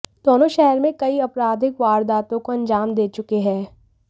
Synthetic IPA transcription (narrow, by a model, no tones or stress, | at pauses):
d̪̥oːnõʃɛɦəɾmẽkɐiɐpɾaːd̪ʱɪkʋaːɾd̪aːt̪õkoɐ̃nd͡ʒaːmd̪eːt͡ʃʊkeɦɛ̃ː